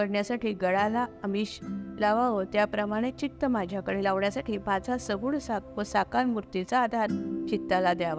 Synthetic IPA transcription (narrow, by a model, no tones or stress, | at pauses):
əɽɳjasaʈiːɡəɽalaəmiɕlaʋaʋot̪japɾəmaɽ̃et͡ɕit̪ːəmad͡ʑʱjakəɽelaʋɳjasaʈʰiːpat͡sasəɡuːɭsak̚ʋəsakanmuɾt̪it͡saːd̪ʱaɾt͡ɕit̪ːalad̪jaʋa